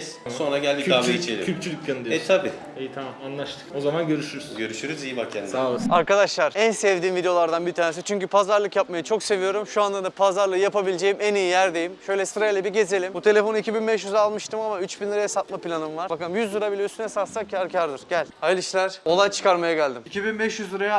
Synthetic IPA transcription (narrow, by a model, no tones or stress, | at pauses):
sso̞nɾaɟælʲd̪iabeit͡ʃʰelʲiyt͡ʃʰylʲyklʲanɯd̪iɛt̪ʰabiː | ejt̪ʰamamanlˠaʃt̪ʰɯ̥ko̞zamanɟø̞ɾyʃyɾsynɟøɾyʃyøɾyzijibakʰɛnd̪aɯsaɾkad̪aʃlˠaɾænsɛvd̪iːnvid̪eo̞lˠaɾd̪anbit̪ʰaːnes̬it͡ʃʰyɲcypʰazaɾlˠɯkjap̚majat͡ʃʰo̞kse̞vijo̞ɾumʃuand̪ad̪apʰazaɾlˠɯjapabilʲed͡ʒe̞jimænijijæɾd̪e̞jimʃø̞jlʲɛsɯɾajlʲɛbiɟe̞ze̞lʲimbut̪ʰe̞lʲe̞fo̞nɯicʰibinbɛʃjyzaːlˠmɯʃt̪ʰɯmamayt͡ʃbinlˠɯɾajasat̪̚mapilʲanɯmvaɾbakaɯlˠɯmjyzlˠɯɾabilʲɛyst̪ʰynɛsat̪sacʰaɾcʰaɾd̪ɯɾɟælʲajlɯʃlˠaɾ̥o̞lˠajt͡ʃʰɯ̥kaɾmajaɟælʲd̪imicʰibinbɛʃjyzlɯɾaja